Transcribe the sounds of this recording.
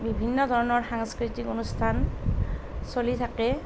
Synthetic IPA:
bibʱinːɔdʱɔɹɔnɔɹxaŋskɹitikonustʰan | solit̪ʰakɛ

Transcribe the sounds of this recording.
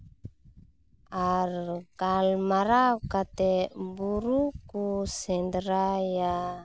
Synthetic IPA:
arkalmaɾakat̪ɛbuɾukusɛnd̪ɾaja

